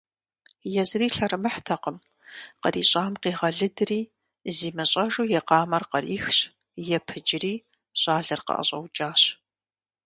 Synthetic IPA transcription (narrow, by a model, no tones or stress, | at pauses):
jɛzɨriːɬɐɾɨmɨħtʰɐqəm | qəriːɕʼaːmqiːʁɐɮɨdɨriː | ziːmɐɕʼɐʒuːjɛqɑːmɐrqɐriːxɕ | jɛpʰɨd͡ʒɪriː | ɕʼaːɮɨrqɐ̰ʔɐ̰ɕʼɐ̰wd͡ʒʼaːɕ